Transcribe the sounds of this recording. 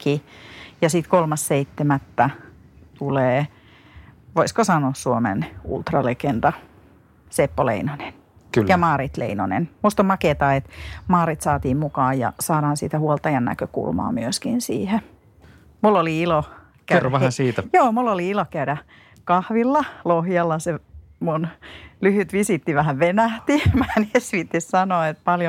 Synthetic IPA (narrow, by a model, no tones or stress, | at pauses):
kijɑsit̪kolmɑsseit̪ːemæt̪ːæ | t̪uleː | ʋoiskosɑnoˑssuomḛnṵlt̪rɑlekend̪ɑ | sepːolḛinonen | kylːjɑmɑːɾit̪lḛino̰nḛnmust̪ommɑket̪ɑːet̪mɑːɾit̪sɑːt̪iːmmukɑːjjɑ̰sɑːɾɑːnsit̪æhuolt̪ɑjɑnnæ̰køkṵlmɑ̰ːmyøskinsḭːhe | mulːoliilo | kæerːoʋæhæsiːt̪æjoːmulːoliilokæyɾæ | kɑhʋilːɑlohjɑlːɑsemunlyhyt̪ʋisit̪ːiʋæhæʋʋenæht̪imænesʋit̪ːissɑnoet̪̚pɑljo